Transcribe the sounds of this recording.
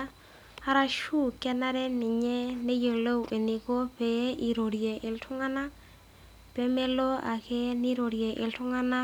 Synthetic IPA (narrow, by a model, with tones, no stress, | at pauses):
a˦ɾa˦ʃu˦kɛ˦na˦ɾɛ˦nɪ˨ɲɛ˦ne˦je˨lo˦wʔe˨ni˨ko˦pɛ˨˦ʔi˨ɾo˨ɾje˨ʔɪ˨ltʰʊ˦ŋa˦na˦ | pe˦me˦lo˦a̰˨ke˦ni˦ɾo˨ɾje˨ʔɪ̰˨ltʊ˦ŋa˦na˦